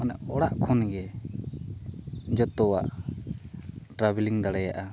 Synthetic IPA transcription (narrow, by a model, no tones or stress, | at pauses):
ɔnɛɔɽaʔkʰɔnɡɛ | d͡ʒɔt̪ɔwa̰ʔ | ʈɾabɛliŋd̪aɽɛjaʔa